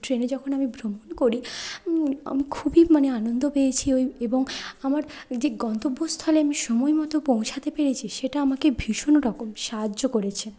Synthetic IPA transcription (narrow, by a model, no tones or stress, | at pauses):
ʈɾened͡ʑɔkʰonamibʱɾomonkoɾi | a̰mikʰubimaneanond̪opeet͡ɕʰiojeboŋamaɾd͡ʑeɡɔnt̪obːost̪ʰɔleamiʃɔmɔemɔt̪opõw̃t͡ɕʰat̪epeɾet͡ɕʰiʃeʈaamakebʱiʃonoɾɔkomʃaɦadːokoɾet͡ɕʰe